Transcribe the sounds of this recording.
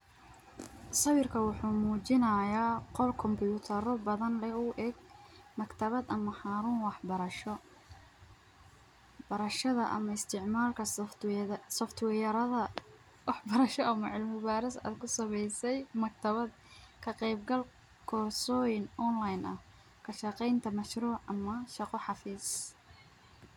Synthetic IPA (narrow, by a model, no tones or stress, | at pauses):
sɐwɪrkʰɐwʊħuːmuːt͡ʃɪnɐjaːqɔlkʰɔmbuːt̪ʰɐɾɔbɐðɐnlɛʊʔɛɡ̚mɐkt̪ʰɐβɐd̪ɐmɐħɑːɾuːnwɑħbɐɾɐʃɔ | bɐɾɐʃɐðɐʔɐ̰mɐɪst̪ʰɪʕmaːlkʰɐ | sɔft̪ʰwɛːjɐɾɐðɐ | wɑħbɐɾɐʃɔʔɐmɐʕɪlmɪbaːɾɪsa̰ːd̪kʰʊsɐmɛjsɛjmɐk̚t̪ʰɐβɐd̪ | kʰɐqɛjbɡɐl | kʰɔsɔːjɪnɔnlajnʔɐ̰h | kʰɐʃɑqɛjnt̪ʰɐmɐʃruːʕɐmɐʃɑqɔħɑfiːs